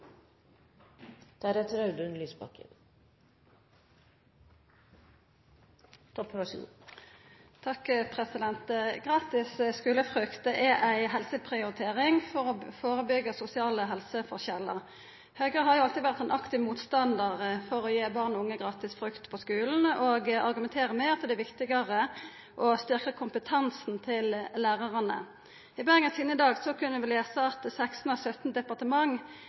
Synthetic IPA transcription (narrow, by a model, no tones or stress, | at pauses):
d̪̥eæːɾɛt̪ɾœʉd̪ʉnlyːsbɑ̰kə̰ | t̪ʰɔpːʋɑʂ | t̪ʰɑkpʰʁɛsɪd̪ɛnt̪əɡʁɑːt̪ɪsskʉːləfʁʉkt̪̚d̪əʔɛʔæɪɦɛlsəpʰʁɪʊʁɪt̪ʰeːʁɪŋfɔʁfoːʁəbʏɡəsʊsɪɑːləɦɛlsəfɔʁʃɛlə̰ʁ | hœʏɡʁəɦɑʁjʊɑlt̪ɪʋæʁt̪ɛnʔɑkt̪ɪmuːt̪st̪ɑnd̪əʁfɔʁɔjeːbɑʁnʊŋːəɡʁɑːt̪ɪsfʁʉkt̪pʰɔskʉːln̩ɔɡɑ̰ʁɡʉmɛnt̪ʰeːʁəmeːʁt̪ʰɔd̪æʋɪkt̪ɪɡəʁə | ʔɔst̪ʏʁkəkʰʊmpət̪ʰɑnsn̩t̪ʰɪllæːʁɑʁənə̰ | ɪbæʁɡəsiːnəd̪ɑːɡsɔkʰʉnːəʋɪleːsəɑt̪sɛksn̩ɔsœt̪nəd̪ɛpɑʁt̪əmɑŋ